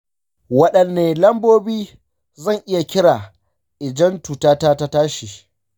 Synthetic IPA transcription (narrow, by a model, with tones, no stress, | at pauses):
wɐ˦ɗɐ˨nːeː˨lɐ˦mboː˦biː˦ | zɐ˦˨ŋʔɪ˦ja˨kʲɪ˦ɽaː˨ | ʔɪ˨d͡ʒɐ˦ntuː˨taː˦taː˦ta˦taː˦ʃiː˨